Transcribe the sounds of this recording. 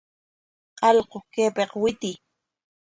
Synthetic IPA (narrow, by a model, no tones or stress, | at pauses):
qɑlqokeːpeqwɪt̪ɪ